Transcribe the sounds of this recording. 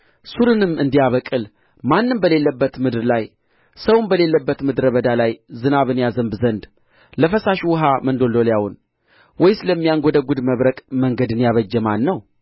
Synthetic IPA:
suɾɨnɨmːɨnd̪ijaβəkʼɨl | manːɨmbəle̞lːəbːət̪mɨd̪ɨɾlaj | səwʊmbəle̞lːəbːət̪mɨd̪ɾəβəd̪alajzɨnaβɨnjazəmbzənd̪ | ləfəsaʃwɨɦamənd̪o̞ld̪o̞ljawʊn | wɔjsləmːijaŋɡod̪əɡud̪məβɾəkʼməŋɡəd̪ɨnjaβəd͡ʒːɛmanːəw

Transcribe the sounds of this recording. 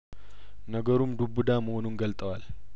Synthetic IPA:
nəɡəɾumd̪ubud̪aməhonunɡəlt̪ʼəwal

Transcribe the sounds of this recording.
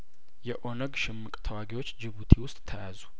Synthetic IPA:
jɛʔo̞nəɡʃɪmːɨkʼt̪ʰəwaɡiwo̞t͡ʃːd͡ʒɪβut̪ʰiwʊst̪ʼt̪ʰəjazu̥

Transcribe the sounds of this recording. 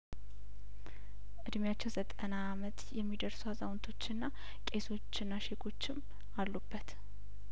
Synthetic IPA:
ʔɨd̪mjat͡ʃːɛwzət̪ʼənaːmət̪jɛmːid̪əɾsuazawnt̪ʰo̞t͡ʃːɪnːa | kʼe̞so̞t͡ʃːɨnːaʃekʰo̞t͡ʃːɪm | alːubːət̪

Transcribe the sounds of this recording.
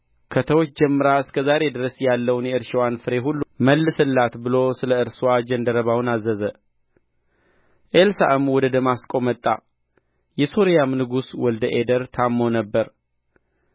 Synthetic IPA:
kʰət̪ʰəwot͡ʃːd͡ʒɛmːɨɾaɨskʰəzaɾe̞d̪ɨɾəsjalːəwnjɛɨɾʃɛwanfɨɾe̞ɦulːuməlːɨsɨlːat̪bɨlo̞sɨləɨɾswad͡ʒɛnd̪əɾəβawnazːəzə | ʔelsa̰ʔɨmwɔd̪əd̪əmaskʼo̞mət̪ʼːa̰ | jɛso̞ɾijamnɨɡuswɔld̪əʔed̪əɾt̪ʰamːonəbːəɾ

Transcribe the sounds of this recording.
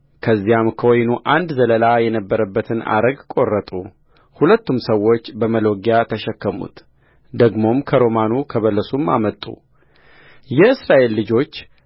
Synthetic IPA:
kʰəzːijamkʰəwojnuʔand̪zələlajɛnəbːəɾəbːət̪ʰɨna̰ɾəɡkʼo̞rːət̪ʼu | hulət̪ːumsəwːo̞t͡ʃːbəməlo̞ɡjat̪ʰəʃɛkːəmṵt̪ | d̪əɡmo̞mkʰəɾo̞manukʰəβəlːəsuma̰mət̪ʼṵ | jɛɨsɾaʔe̞lːɨd͡ʒo̞t͡ʃː

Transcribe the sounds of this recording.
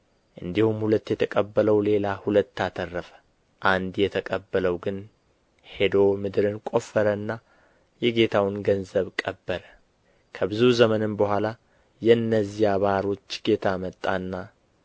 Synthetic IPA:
ʔɨnd̪ihumhulət̪ːjɛt̪ʰəkʼəbːələwle̞lahulət̪ːat̪ʰərːəfə̥ | ʔand̪jɛt̪ʰəkʼəbːələwɡɨn | he̞d̪o̞mɨd̪ɨɾɨnkʼo̞fːəɾənːa | jɛɡe̞t̪ʰawɨnɡənzəβkʼəbːəɾə | kʰəbɨzuzəmənɨnbəhʷala | jɛnːəzijaβaaɾo̞t͡ʃːɡ̥e̞t̪ʰamət̪ʼːanːa

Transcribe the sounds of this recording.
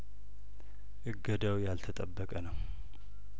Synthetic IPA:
ʔɨɡːəd̪awjalt̪ʰət̪ʼəbːəkʼənəw

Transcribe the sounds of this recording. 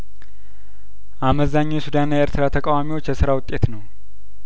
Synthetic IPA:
ʔaməzaɲːojsud̪anːajɛʔeɾt̪ʰɨɾat̪ʰəkʼawamiwo̞t͡ʃːjɛsɨɾawʊt̪ʼːe̞t̪nəw

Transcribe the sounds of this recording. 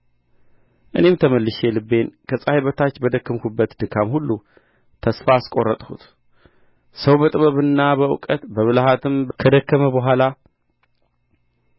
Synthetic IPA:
ʔɨ̰ne̞mt̪ʰəməlːɨʃelɨbːe̞nkʰəsʼahibət̪ʰat͡ʃːbəd̪əkːəmkubːət̪d̪ɨkʰːamhulːu | t̪ʰəsfaskʼo̞rːət̪ʼhṵt̪ | səwbət̪ʼɨβəβɨnːabəwʊkʼət̪bəβɨlɦat̪ʰɨmbkʰəd̪əkːəməbəɦʷala

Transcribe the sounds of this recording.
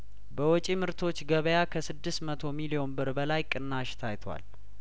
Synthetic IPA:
bəwɔt͡ʃʼimɨɾt̪ʰo̞t͡ʃːɡəβəjakʰəsɨd̪ːɨst̪mət̪ʰo̞milijo̞nbɨɾbəlajkʼɨnːaʃt̪ʰajt̪ʰwa̰l

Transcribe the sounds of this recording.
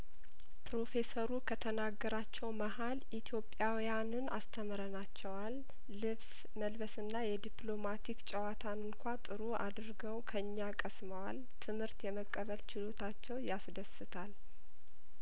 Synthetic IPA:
pʰɾo̞fe̞səɾukʰət̪ʰənaɡːəɾat͡ʃːɛwmaɦalʔit̪ʰjo̞pʼːjawijanɨnast̪ʰəməɾənat͡ʃːɛwalː | ɨβs | məlbəsɨnːajɛd̪iplo̞mat̪ʰikt͡ʃʼɛwat̪ʰanɨnkʷat̪ʼɨɾuʔa̰d̪ɾɡəwkʰəɨɲːakʼəsməwal | t̪ʰɨmhɨɾt̪jɛməkʼːəβəlt͡ʃɪlo̞t̪ʰat͡ʃːɛwjasd̪əsɨt̪ʰal

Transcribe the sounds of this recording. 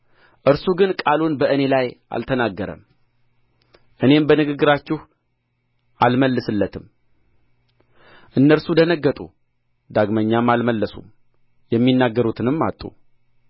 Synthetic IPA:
ʔɨɾsuɡɨnkʼalunbəʔɨne̞lajʔa̰lt̪ʰənaɡːəɾə̰m | ʔɨne̞mbənɨɡɨɡːɨɾat͡ʃːɪh | ʔalməlːɨsɨlːət̪ʰɨm | ʔɨnːəɾsud̪ənəɡːət̪ʼṵ | d̪aɡməɲːamːalməlːəsṵm | jɛmːinːaɡːəɾut̪ʰɨnɨmːa̰t̪ʼːṵ

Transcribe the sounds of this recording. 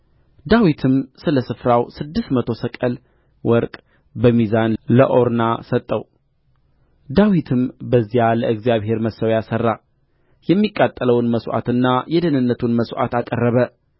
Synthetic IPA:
d̪awit̪ʰɨmsɨləsɨfɾawsɨd̪ːɨst̪mət̪ʰo̞səkʼəl | wɔɾkʼ | bəmizanlə̰ʔo̞ɾnasət̪ʼːəw | d̪awit̪ʰɨmbəzːijaləɨɡzjaβhe̞ɾməsːəwjasərːa | jɛmːikʼːat̪ʼːələwnməsʔa̰t̪ɨnːajɛd̪ənɨnːət̪ʰunməsʔa̰t̪akʼərːəβə

